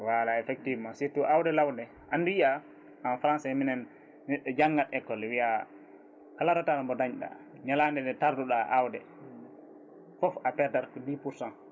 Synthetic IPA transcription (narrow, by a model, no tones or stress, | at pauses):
walaɛfɛk̚tivmasitːuʔawdɛlawndɛ | ʔandija | amfɾansɛminɛn | nɛɗːɔd͡ʒaŋɡatɛkːɔlwija | kalaɾɔtalmbɔdaɲɗa̰ | ɲalandɛnɛtaɾduɗaʔawdɛ | fɔfapɛɾtaɾkɔdipuɾsɔn